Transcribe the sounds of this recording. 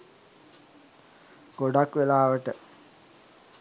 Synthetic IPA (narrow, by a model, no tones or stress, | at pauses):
ɡ̥oɖakʋelaːʋəʈə